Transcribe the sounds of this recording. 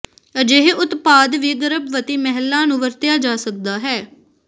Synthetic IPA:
əd͡ʒeɦeʔʊt̪paːd̪ʋiːɡəɾəbʋət̪iːmɛɦəlːãːnũːʋəɾt̪ɪjaːd͡ʒaːsək̚d̪aːɦɛː

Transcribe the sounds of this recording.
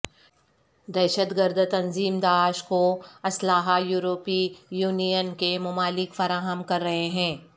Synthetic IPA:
d̪ɛːʃət̪ɡəɾd̪t̪ɐnziːmd̪aːʃkoɐslaːɦajuːɾoːpijuːnijənkemʊmaːlɪkfɐɾaːɦəmkɐɾːɐɦeɦɛ̃ː

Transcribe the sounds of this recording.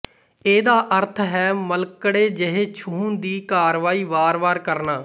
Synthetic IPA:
eːd̪aːʔəɾt̪ʰɦɛːməlkɽeːd͡ʒəɦeːt͡ʃʰuːnd̪iːkaːɾʋaːiːʋaːɾʋaːɾkəɾnaː

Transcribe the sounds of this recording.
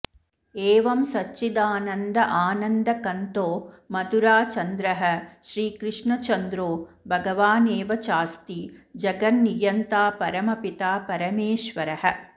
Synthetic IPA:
eːʋɐmsɐt͡ʃːt͡ʃːid̪aːnɐnd̪ɐʔaːnɐnd̪ɐkɐnt̪oː | mɐd̪uɾaːt͡ʃɐnd̪ɾɐɦɐ̆ʃɾiːkɾɪʂɳɐt͡ʃɐnd̪ɾoː | bʱɐɡɐʋaːneːʋɐt͡ʃaːst̪id͡ʒɐɡɐnnijɐnt̪aːpɐɾɐmɐpit̪aːpɐɾɐmeːʃʋɐɾɐɦɐ̆

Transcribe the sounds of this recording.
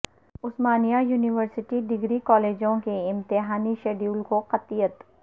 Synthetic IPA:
ʊsmaːnijajuːnɪʋəɾsɪʈiɖɪɡɾikɔːleːd͡ʒõkeɪ̃mt̪ɪɦaːniʃɐɖuːlkoqɐt̪ijət̪

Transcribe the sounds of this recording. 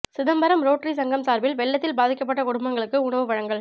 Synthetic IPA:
sɪðɐmbɐɾɐmɾoːʈrisɐŋɡɐmsaːɾbɪlʋɛɭːɐt̪ːɪlbaːðɪkːɐpːɐʈːɐkʊɽʊmbɐŋɡɐɭɯkːɯʊɳɐʋɯʋɐɻɐŋɡɐɭ

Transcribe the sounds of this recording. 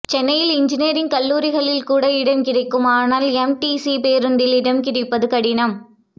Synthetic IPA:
t͡ʃɛnːɐjɪlɪɲd͡ʒɪneːɾɪnkɐlːuːɾɪɣɐɭɪlkuːɽɐɪɽɐmkɪrɐɪkːɯmaːnaːlɛmʈiːsipeːɾɯnd̪ɪlɪɽɐmkɪrɪpːɐðɯkɐɽɪnɐm

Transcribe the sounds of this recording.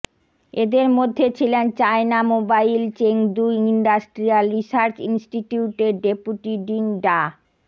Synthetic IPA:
ed̪eɾmod̪ʱːet͡ɕʰilent͡ɕaenamobailt͡ɕeŋd̪uiɳɖasʈɾialɾisaɾt͡ɕinsʈiʈiuʈeɖepuʈiɖiŋɖa

